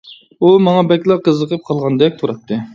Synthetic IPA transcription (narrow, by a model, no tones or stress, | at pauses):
umɑŋɑbɛkʲlˠɑqəzəqʰəp̚qʰɑlˠʁɑnd̪ɛk̚ʲt̪ʰuɾɑt̪ʰːɨ